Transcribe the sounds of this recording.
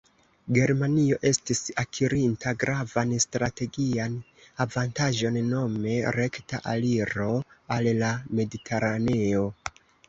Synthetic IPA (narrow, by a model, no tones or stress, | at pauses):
ɡe̞ɾmanio̞ʔe̞stisakʰiɾintʰaɡɾavanstɾate̞ɡian | avantaʒo̞nːo̞me̞ɾe̞ktaʔaliɾo̞allame̞ditʰe̞ɾane̞o̞